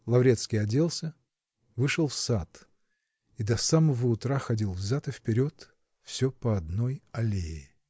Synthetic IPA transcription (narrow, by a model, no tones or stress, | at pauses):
lˠɐvɾʲe̞t̪skʲijɐdʲe̞lˠsʲə | vɨʂəlˠfsat̪ | id̪ɐsaməvəʊt̪ɾaxɐdʲilˠvzat̪ɨfpʲɪɾʲo̞t̪ | fsʲɵpəɐd̪nojɐlʲejɪ